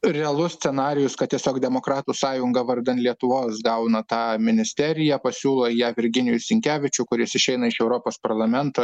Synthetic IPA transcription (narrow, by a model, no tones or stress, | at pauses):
ɾʲɛɐlˠʊsʲsʲɛnɑːɾʲɪjʊskɐt̪̚t̪ʲiɛsʲoːkd̪ʲɛmoːkɾɑːt̪uːsɑːjʊŋɡɐʋɐɾd̪ɐnt̪lʲiɛt̪ʊʋoːsɡɐʊnɐt̪ɑːmʲɪnʲɪsʲt̪ʲɛɾʲɪjæpɐsʲuːlˠoːjæːʋʲɪɾʲɡʲɪnʲɪjʊsʲɪŋʲkʲæːʋʲɪt͡ʃʲʊkʊɾʲjɪsɪʃʲɛɪnɐɪʃɛʊɾoːpoːspɐɾlˠɐmʲɛnt̪oː